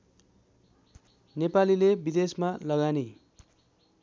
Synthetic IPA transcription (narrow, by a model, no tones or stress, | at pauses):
nepalilebid̪esmalʌɡani